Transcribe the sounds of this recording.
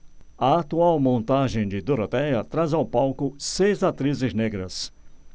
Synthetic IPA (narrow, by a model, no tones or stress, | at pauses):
ɐat̪uawmõnt̪aʒẽj̃d͡ʒɪd̪uɾot̪ɛjɐt̪ɾazawpawkʊsejzat̪ɾizɪzneɡɾɐs